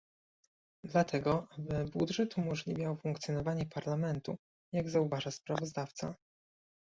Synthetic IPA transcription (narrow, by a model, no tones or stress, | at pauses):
d̪lat̪ʰɛɡɔvɛbud̪ʐɛt̪umɔʐlʲivʲjawfuŋkt̪sʲjɔnɔvaɲɛpaɾlamɛnt̪u | jaɡzauvaʐaspɾavɔzd̪aft̪sa̰